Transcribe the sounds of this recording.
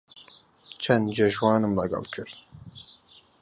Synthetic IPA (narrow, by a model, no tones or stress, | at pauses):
t͡ʃʰɛnd̪d͡ʒɛʒwɑːnɨmlɛɡɑ̰lkʰɨɾn